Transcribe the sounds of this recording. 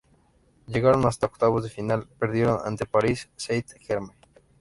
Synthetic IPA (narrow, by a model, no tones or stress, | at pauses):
ʝeɣaɾonast̪aokt̪aβozðefinalpe̞ɾðjeɾona̰nt̪e̞paɾisːejt̪xeɾme